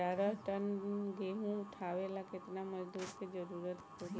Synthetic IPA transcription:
aɾəʈənɡeɦũʈ̪ʰaʋelaket̪naməd͡ʒd̪ud̪kʰed͡ʒəɾuɾət̪kə

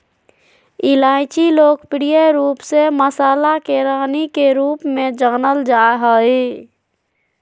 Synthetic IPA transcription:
ɪlaːɪt͡ʃiloːkpɪɽijaɾuːpseməsaːlakeɾaːnikeɾuːpmẽd͡ʒəːnəld͡ʒaːɦəe

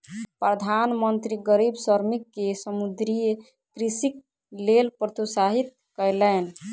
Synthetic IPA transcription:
pɾəd̪ʱanmənt̪ɾiɡəɾibsəɾmikːesəmud̪ɾij | kɾisik̚ | lelpɾət̪ʰusaɦit̪̚ | kəɪlən

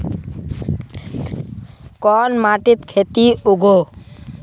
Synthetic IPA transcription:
kɔːnmaʈit̪kʰet̪iuɡʱo

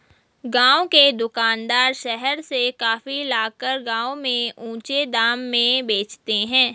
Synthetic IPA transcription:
ɡãːõked̪ʊkaːnd̪aːɾʃɛɦɛɾsekaːfilaːkəɾɡãːõmẽũːt͡ʃed̪aːmːẽbeːt͡ʃt̪eɦɛ̃ː

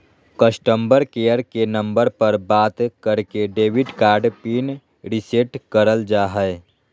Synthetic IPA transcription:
kəsʈəmbəɾkeːjəɾkenə̃mbəɾpəɾbaːt̪kəɾkeɖeːʋɪɖkaːɾɖpiːn | ɾɪseʈkəɾəld͡ʒaːɦɛɪ

